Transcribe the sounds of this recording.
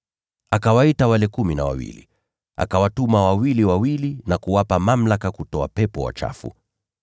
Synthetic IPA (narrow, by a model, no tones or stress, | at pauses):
akawaitawalɛkuminawa̰wḭlḭ | a̰kawatumawawiliwawilinakuwapamam̩lakakutɔapɛpɔwa̰t͡ʃa̰fṵ